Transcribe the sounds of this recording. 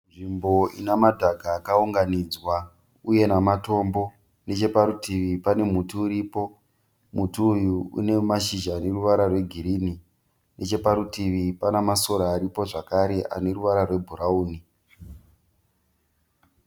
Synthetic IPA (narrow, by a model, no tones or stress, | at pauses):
nʐimbo̞ḭnamadʱaɡʱaːkauŋɡanid͡zwa | uje̞namato̞ːmbo̞ | ne̞t͡ʃe̞paɾutʰiʋipane̞mutuːɾipo̞ | mutuːjuṵne̞maʃiʒaːne̞ruʋaɾarwe̞ɡʱiɾini | nʔe̞t͡ʃe̞paɾutiʋipanamaso̞ɾaːɾipo̞ʐakaɾe̞ʔa̰ne̞ruʋaɾarwe̞bʱuɾauːni